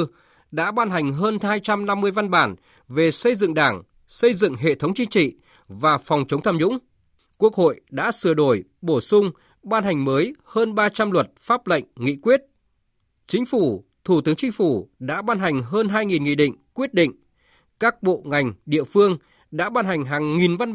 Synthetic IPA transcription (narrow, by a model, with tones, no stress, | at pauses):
ɗa̰ː˧˥ɓaː˧nɦa˨˩jŋ̟ɦəː˧nhaː˧jt͡ɕa˧mna˧mːɨ˧əjva˧nɓaː˧˩n | ve˨˩sə˧jzɨ̰˧˨ŋɗaː˧˩ŋ | sə˧jzɨ̰˧˨ŋɦḛ˧˨t̪ʰə˨˦wŋ͡mt͡ɕï˧˦ŋ̟t͡ɕḭ˧˨ | vaː˨˩fɔ˨˩wŋ͡mt͡ɕə˨˦wŋ͡mt̪ʰaː˧mzʊ̰˧˥ŋ͡m | ku˦˥ək̚ho̰˧˨jɗa̰ː˧˥sɨ˨˩əɗo˧˩jɓo˧˩sʊ˧ŋ͡m | ɓaː˧nɦa˨˩jŋ̟məː˨˦jhəː˧nɓaː˧t͡ɕa˧mlwə˨˩t̚faː˦˥p̚lə̰˧˨ŋ̟ŋḭ˧˨kwi˦˥ət̚ | t͡ɕï˨˦ŋ̟fu˧˩t̪ʰu˧˩t̪ɨ˨˦əŋt͡ɕï˨˦ŋ̟fu˧˩ɗa̰ː˧˥ɓaː˧nɦa˨˩jŋ̟ɦəː˧nɦaː˧jŋi˨˩nŋḭ˧˨ɗḭ̈˧˨ŋ̟kwi˦˥ət̚ɗḭ˧˨ŋ̟ | kaː˦˥k̚ɓo̰˧˨ŋa˨˩jŋ̟ɗḭ˧˨əfɨ˧əŋ | ɗa̰ː˧˥ɓaː˧nɦa˨˩jŋ̟ɦaː˨˩ŋːi˨˩nva˧n